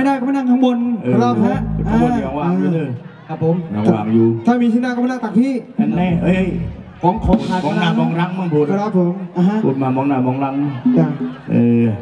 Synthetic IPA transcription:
a˥jdaː˥˩kɔ˥˩mʰ˧˩na˧˨ŋt̪ʰa˦˥ŋbo˧nʔːɾɔ˧˥pʰo˨˦la˧˩˧a˧˩ɔː˨˧˦waː˧˩˧t̪ʰɯː˧˩kʰa˧˦˥pʰːo˨˦mjɔ˨˧˦wa̰ː˧˩˧juː˧˩t̪ʰaː˥˩miː˧sʰiː˧˥˨naː˥˧kɔ˥˩m˧˩naː˧˩t̪a˨˩pʰiː˥˩ʔa˧nlɛː˧˩ʔɤː˧˩jkʰɔː˨˦ŋkʰɔː˨˦ŋʰ˧aː˨˩mɔ˨˧˦naː˧˩˧mɔː˧ŋɾa˦˥ŋmaː˧˩pʰu˧˦˧ɾɔː˦˧˥pʰo˨˦mʔa˧ɦa˥˦˥ṵ˧˩n̚maː˧˩mɔː˨˧˦ŋnaː˧˩mɔː˧˦ŋɾa˦˥ŋ˧˩ka˧˩ʔəː˧˩

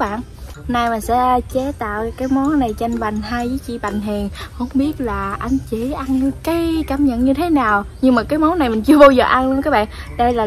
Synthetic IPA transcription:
ɓa̰ː˧˨n | hnaː˧jmaː˨˩sɛ̰˧˥t͡ɕe˨˦t̪a̰ː˧˨wkaː˨˦jmo˨˦na˨˩jt͡ɕa˧ŋɓa˨˩jŋ̟ɦa˧jzə˨˦t͡ɕḭ˧˨ɓa̰˧˨jŋ̟ɦi˨˩ənho̰˧˥ŋ͡mɓi˦˥ət̚laː˨˩ʔa˧jŋ̟t͡ɕi˧˩˨ʔa˧nkaː˨˦jkaː˧˦mɲə̰˧˨nɲɨ˧t̪ʰe˨˦naː˨˩wɲɨ˧ŋmaː˨˩kaː˨˦jmo˨˦na˨˩jmï˨˩ŋ̟t͡ɕɨ˧əɓaː˧wzəː˨˩ʔa˧nlu˧ənŋkaː˦˥ɓa̰ː˧˨nɗə˧jlaː˨˩

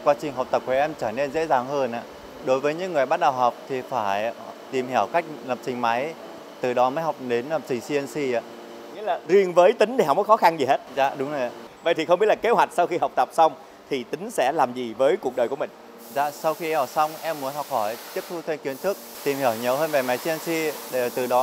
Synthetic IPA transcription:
kwaː˧t͡ɕï˨˩ŋ̟ɦa˨˩k͡p̚t̪ə˨˩p̚ku˧˩ʔɛ˧mt͡ɕəː˧˩ne˧nzḛ˧˥zaː˨˩ŋhəː˧nʔaː˧˨ | ɗo˨˦jvəː˨˦jɲɨ̰˧˥ŋːɨ˨˩əjɓaː˦˥t̚ɗə˨˩wɦa˨˩wk͡p̚t̪ʰi˨˩faː˧˩jt̪i˨˩mhi˧˩əwka˦˥jk̟̚lə˨˩p̚t͡ɕï˨˩ŋ̟ma˨˦j | t̪ɨ˨˩ɗɔ˨˦məː˨˦jhɔ˨˩wk͡p̚ɗe˨˦nlə˨˩p̚t͡ɕï˨˩ŋ̟si˧ənsi˧˩ʔa̰ː˧ | ŋḭ˧˥laː˨˩zi˧ənvəː˨˦jt̪ï˨˦ŋ̟ɗi˧˩ɦk͡p̚kɔ˨˦xɔ˨˦xa˧nzi˨˩he˦˥t̚za̰ː˧˨ɗʊ˨˦ŋ͡mzə˨˩ja˨və̰˨jt̪i˨xə˧ŋ͡mɓi˦˥t̚laː˨˩ke˨˦thɦwa˨˩k̟̚sa˧wxi˧ha˨˩wk͡p̚t̪ə˨˩p̚sa˧wŋ͡m | t̪ʰi˨˩t̪ï˨˦ŋ̟sɛ̰˧˥laː˨˩mzi˨˩vəː˨˦jku˨˩ək̚ɗə˨˩jku˧˩əï˨˩ŋ̟ | za̰ː˧˨sa˧wxi˧əː˨˩sa˧wŋ͡mʔɛ˧mːu˨˦ənhɔ˨˩wk͡p̚hɔ˧˩jt͡ɕi˦˥p̚t̪ʰu˧t̪ʰwe˧nkwi˨˦ənt̪ʰɨ˦˥k̚t̪i˨˩mhi˧˩əwɲə˨˦wɦəː˧nve˨˩ma˨˦jsi˧ə˧nsi˧ɗe˧˩t̪ɨ˨˩ɗɔ˨˦

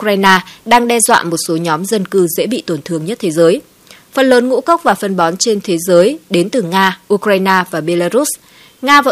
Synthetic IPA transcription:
kaː˧jnaː˧ɗaː˧ŋɗɛ˧zwa̰ː˧˨mo˨˩t̚so˨˦ɲɔ˨˦mzə˧nkɨ˧zḛ˧˥ɓḭ˧˨t̪o˧˩nt̪ʰɨ˧əŋɲə˦˥t̚t̪ʰe˨˦zəː˨˦j | fə˨˩nləː˨˦nŋṵ˧˥kə˦˥k͡p̚vaː˨˩fə˨˩nɓɔ˨˦nt͡ɕe˧nt̪ʰe˨˦zəː˨˦jɗe˨˦nt̪ɨ˨˩ŋaː˧ʔu˧kɾaː˧jnaː˧vaː˨˩ɓe˧laː˧zu˦˥s | ŋaː˧və̰˧

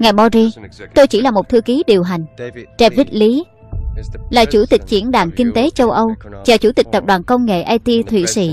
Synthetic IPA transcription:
ŋaː˨˩jɓɔ˧zi˧t̪o˧jt͡ɕi˧˩laː˨˩mo˨˩t̚t̪ʰɨ˧əki˨˦ɗi˨˩əwɦa˨˩jŋ̟t͡ɕɛ˧vi˦˥t̚li˨˦ | laː˨˩t͡ɕu˧˩t̪ï˨˩k̟̚t͡ɕḭ˧˩˥ənɗaː˧˩ŋkï˧ŋ̟t̪e˨˦t͡ɕə˧wʔə˧wt͡ɕa˧˨˩t͡ɕu˧˩t̪ï˨˩k̚t̪ə˨˩p̚ɗwaː˨˩nkə˧wŋ͡mŋḛ˧˨ʔaː˧jt̪i˧t̪ʰwḭ˧˨sḭ˧˨

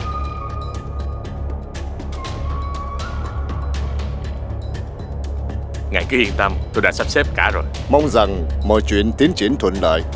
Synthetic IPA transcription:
ŋa˨˩jkɨ˨˦ʔḭ˧ənt̪ə˧mt̪o˧jɗa̰ː˧˥sa˦˥p̚sɛ˦˥p̚kaː˧˩zo˨˩j | mə˧wŋ͡mza˨˩ŋmɔ̰˧˨˩jt͡ɕwḭ˧˨ənt̪i˨˦ənt͡ɕḭ˧˩ənt̪ʰwə̰˧˨nlə̰ː˧˨j

